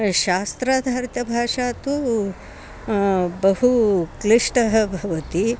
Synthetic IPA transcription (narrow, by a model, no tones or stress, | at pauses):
ʃaːst̪ɾaːd̪ʱaːɾt̪ɐbʱaːʂaːt̪u | bɐɦukliʂʈɐɦɐbʱɐʋɐt̪i